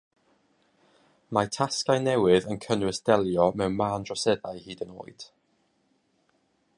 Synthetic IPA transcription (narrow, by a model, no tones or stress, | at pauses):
matʰaskajnɛwɪðənkʰənwɪsd̥ɛlˠjɔmɛwnmaːndrɔsɛðaɨhiːdəno̰ːɨd̥